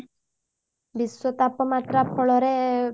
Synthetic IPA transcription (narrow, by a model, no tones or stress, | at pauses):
biswɔt̪apɔmat̪ɾapʰːɔɭɔɾe